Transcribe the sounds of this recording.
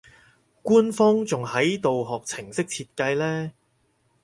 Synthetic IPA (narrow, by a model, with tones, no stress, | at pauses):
kuː˥nfɔː˥ŋt͡sʊ˨ŋhɐ˨˥jt̪o˨wɦɔː˨˩k̚t͡sʰɪ˨˩ŋsɪ˥k̚t͡sʰiː˧t̚kɐ˧jlɛː˥